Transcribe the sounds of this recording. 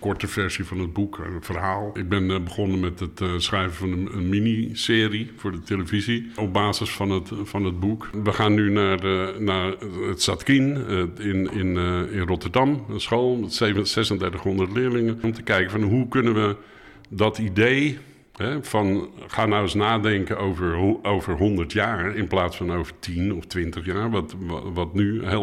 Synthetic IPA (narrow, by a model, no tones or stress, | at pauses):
kɔɹtəfɛɹsifɑnəd̚bukənfərɦaːlˠɪɡ̚bɪnbəχɔnənmɛtətsχrɛjvəfɑnəənminisɪːrifʊːɹdəteləviziɔb̚baːzəsfɑnətfɑnəd̚bukʋəxaːnːynaːrnaːrətsatkinɪnɪnɪnrɔtəɹdɑmənsχoːlˠsejvəsɛsəndɛɹtəχhɔndəɹtlɪːɹlɪŋənɔmtəkɛjkəfɑnɦukɵnənʋə | dɔtidej | ɦɛfɑnχaːnawɪsnaːdɛŋkəowvəɹowvəɹɦɔndəɹtjaːɹɪnplaːtsfɑnowvəɹtʰinɔftʋɪntəχjaːɹʋʋɑtnyɦe